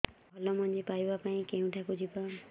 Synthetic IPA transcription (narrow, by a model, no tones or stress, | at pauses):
bʱɔlɔmɔnd͡ʒipaibapaĩkeũʈʰakud͡ʒiba